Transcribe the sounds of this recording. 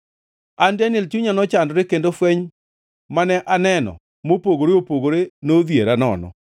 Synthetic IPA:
andanɪlt͡ʃuɲanɔt͡ʃandɾekendofwɛɲ | manɛʔanɛnɔ̰ | mopoɡoɾeopoɡoɾenoðjeɾanɔ̰nɔ̰

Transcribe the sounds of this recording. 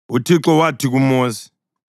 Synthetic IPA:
utʰiǁɔwatʰik̬umoːsi̥

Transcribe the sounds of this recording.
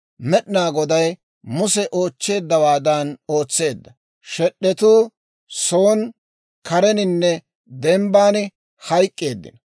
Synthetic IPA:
mɛɗɪnaːɡɔd̪ɐj | mʊsɛʔo̞ːt͡ʃːe̞ːd̪ːɐwaːd̪anoːt͡sːe̞ːd̪ːɐ | ʃɛɗːɛt̪uː | soːn | kɐɾɛnɪnːɛ | d̪ɛmbaːn | hɐjkʼːe̞ːd̪ːɪ̰nɐ

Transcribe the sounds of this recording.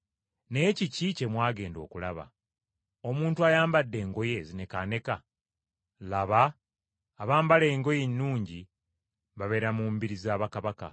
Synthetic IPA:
ne̞cicice̞mwaːɡe̞ːndo̞̰ːkula̰βa̰ | o̞muːntuajaːmbadːe̞ːŋɡo̞je̞zine̞kane̞ka | laβaː | βaːmbale̞ːŋɡo̞jenːuːɲɟi | βaβe̞ɾamuːmbiɾizaːβakaβaka̰

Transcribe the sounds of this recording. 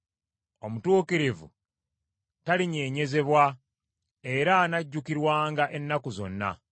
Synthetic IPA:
o̞mutuːkiɾivṵ | taliɲe̞ːɲe̞ze̞βwa | e̞ɾaːnaɟːukiɾwaːŋɡaʔe̞nːakuzo̞̰nːa̰

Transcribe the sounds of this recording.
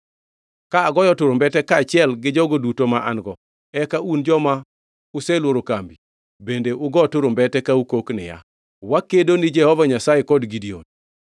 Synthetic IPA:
kaːɡɔjɔtʊɾombɛtɛkaːt͡ʃɪɛlɡɪd͡ʒɔɡodutomaʔa̰nɡɔ | ɛkaʔund͡ʒɔma | ʊsɛlwoɾokambi | bendeʔʊɡɔtʊɾombɛtɛkaukoknɪ̰ja̰ | wakedonɪd͡ʒɛhɔvaɲasajekɔdɡidio̰n

